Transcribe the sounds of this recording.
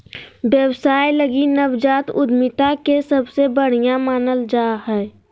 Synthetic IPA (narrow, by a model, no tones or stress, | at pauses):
ʋjəwsaːjləɡinəʋd͡ʒaːt̪ʊd̪mɪt̪akesɐbsebəɽ̤ijamaːnəld͡ʒaːɦɛː